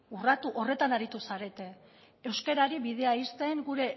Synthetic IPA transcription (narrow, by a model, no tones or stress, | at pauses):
urat̪uʔo̞re̞t̪anaɾit̪usaɾe̞t̪e̞ | ewske̞ɾaɾiβið̞e̞aist̪e̞ŋɡuɾe̞